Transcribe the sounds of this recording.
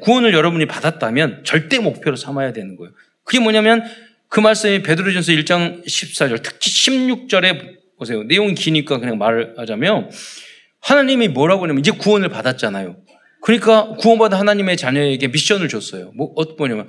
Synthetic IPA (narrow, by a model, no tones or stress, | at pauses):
kuʌnɯɭjʌɾʌbuɲipadat̚t͈amjʌnt͡ɕʌɭt͈e̞mok̚pʰjoɾosʰamajadwe̞nɯnɡʌjo | kɯɡe̞mʌɲamjʌn | kɯmaɭs͈ɯmipe̞dɯɾod͡ʑʌns̬ʰʌiɭt͡ɕ͈aŋɕʰip̚s͈ad͡ʑʌɭtʰɯ̥k̚t͡ɕʰiɕʰimɲuk̚t͡ɕ͈ʌɾe̞ | bosʰe̞jone̞joŋkiɲik͈akɯɲaŋmaɾhad͡ʑamjʌn | hanaɲimimwʌɾɦaɡonemʌnid͡ʑe̞kuʌnɯɭpadat̚t͡ɕ͈anajo | kɯɲik͈akuwʌnbadahanaɲime̞t͡ɕaɲʌeɡe̞miɕ͈ʌnɯɭt͡ɕos͈ʌjomʌʌtmʌɲamjʌn